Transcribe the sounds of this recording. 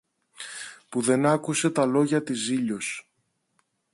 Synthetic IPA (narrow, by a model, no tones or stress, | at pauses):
puðe̞nɐkuse̞t̪ɐlo̞ʝɐt̪iziʎo̞s